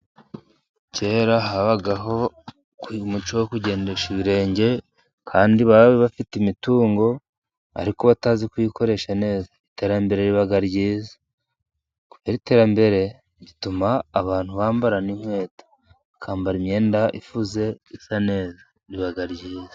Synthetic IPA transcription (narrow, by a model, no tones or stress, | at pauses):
ce̞ːɾaɦaβaɡaɦo̞ | kmut͡ʃowokuɟe̞ːndeʃiβiɾe̞ːɲɟe̞ | kʰaːndiβaββiβafitimituːŋɡo̞ | a̰ɾikoβataːzikuikʰo̞ɾe̞ʃane̞ːzaite̞ːɾambe̞ɾe̞ɾiβaɡaɾɟiːzḁ | ku̥veɾite̞ːɾambe̞ɾe̞ | ɟitumaːβaːn̥huβaːmbaɾaniɲwe̞ːtḁ | kʰaːmbaɾimɲe̞ːndaʔifuze̞isane̞ːza | ɾiβaɡaɾɟiːza